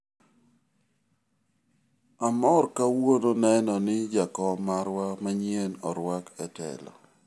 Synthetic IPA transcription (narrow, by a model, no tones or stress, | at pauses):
amɔrkawononɛnɔnɪd͡ʒakɔmaɾwamaɲenɔɾwakɛtɛ̰lɔ̰